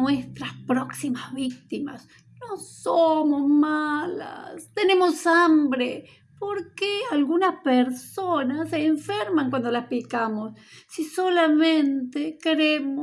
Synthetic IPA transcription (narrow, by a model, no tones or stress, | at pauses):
west̪ɾaspɾoksimazβik̚t̪ima̰s | nosomosmala̰st̪ene̞mosambɾe | poɾkealɣunaspeɾsonaseːɱfeɾmaŋkwand̪olaspikamosːisolamẽnt̪ekeɾemo